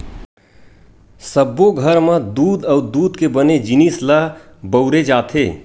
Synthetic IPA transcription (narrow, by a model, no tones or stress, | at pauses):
səbːoɡʱəɾməd̪uːd̪əʊd̪uːd̪kebəned͡ʒinislə | bəʊɾed͡ʒat̪ʰe